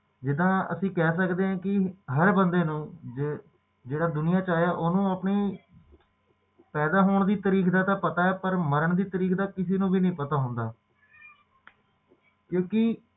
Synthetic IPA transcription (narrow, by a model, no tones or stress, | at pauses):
d͡ʒɪd̪ãːə̰sĩːkɛːs̬əkd̪eːɦãːkɪɦəɾbənd̪eːnũː | d͡ʒeːɽaːd̪ʊnɪjaːt͡ʃaːjaːʔoːnũːəpɳiː | pɛːd̪aːɦoːɳd̪iːt̪əɾiːkd̪aːt̪ãːpət̪aːɛːpəɾməɾəɳd̪iːt̪əɾiːkd̪aːkɪseːnũːbiːnĩːpət̪aːɦʊ̃nd̪aː | kjõːkɪ